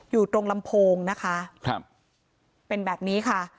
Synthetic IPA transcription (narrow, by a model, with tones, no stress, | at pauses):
juː˨˩t̪ɾo˧ŋla˧mpʰoː˧ŋna˦˥kʰa˦˥ʔkʰa˦p̚ | pe˧nbɛː˨˩p̚niː˦˥kʰa˥˩